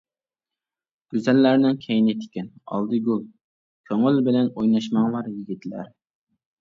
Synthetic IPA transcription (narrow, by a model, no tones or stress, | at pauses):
ɡ̥ʲyzɛlːæɾnɪŋkʲʰɛjnɪt̪ʰɪ̥kʲɛnɑ̰lˠd̪ɨɡʲulˠ | kʲʰøŋɪlbɪlɛnojnɑʃmɑŋlˠɑɾjiɡʲit̪ʰlæ̰ɾ